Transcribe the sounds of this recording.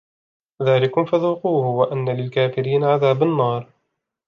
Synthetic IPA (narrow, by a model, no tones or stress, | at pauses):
ðaːlɪkʊmfaðuːquːhʊwaʔanːalɪlkaːfɪɾiːnaʕaðaːbanːɑːɾˤ